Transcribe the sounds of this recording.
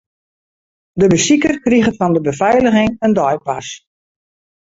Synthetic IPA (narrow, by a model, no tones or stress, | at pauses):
dəbəsikərkriɣəfɔndəbəfɛjləɣɪŋəndɔjpas